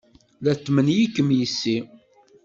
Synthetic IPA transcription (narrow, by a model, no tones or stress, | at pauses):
læt̪ːmənjikːəmjisːi